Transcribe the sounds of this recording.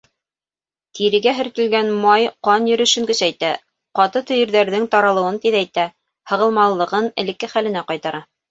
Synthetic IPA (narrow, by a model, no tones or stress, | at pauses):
t̪ʰiɾɘ̆ɡæɦɘ̆ɾt̪ɘ̆lɡænmɑjqɑnjɵ̆ɾɵ̆ʃɘ̆ŋɡɵ̆sæjt̪æ | qɑt̪ɤt̪ɵ̆jɘ̆ɾðæɾðɘŋt̪ɑɾɑlˠɤ̆wɤnt̪iðæjt̪æ | hɤ̆ʁɤ̆lˠmɑlˠːɤ̆ʁɤnɘ̆lɘ̆kːɘχælɘ̆næqɑjt̪ɑɾɑ